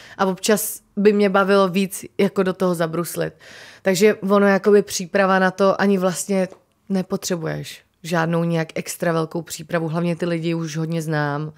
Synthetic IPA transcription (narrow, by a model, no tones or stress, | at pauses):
ʔavo̞pt͡ʃasbɪmɲɛbavɪlo̞viːt͡sjako̞dot̪oɦozabɾuslɪt̪̚ːaɡʒɛvo̞noɛjako̞bɪpr̝̥iːpɾavanat̪o̞ʔaɲɪvlast̪ɲɛ | nɛpo̞t̪r̝̥ɛbujɛ̰ʃ | ʒaːdno̞wɲɛjakɛkst̪ɾavɛlko̞wpr̝̥iːpɾavuɦlavɲɛt̪ɪlɪɟɪuʃɦo̞dɲɛznaːm